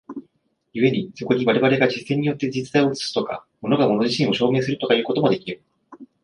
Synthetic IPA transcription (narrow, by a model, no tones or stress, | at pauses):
jɯe̞ɲ̟iso̞ko̞ɲ̟iβaɾe̞βaɾe̞ɡad͡ʑisẽ̞ɲ̟ːijo̞t̪ːe̞d͡ʑit͡sɨ̥t̪aio̞t͡sɨ̥t͡sɨ̥t̪o̞ka̰mo̞no̞ɡamo̞no̞ʑiɕĩɰ̃o̞ɕo̞ːme̞ːsɨɾɯ̟t̪o̞kajɯ̟ːko̞t̪o̞mo̞d̪e̞kʲiɾɯ̟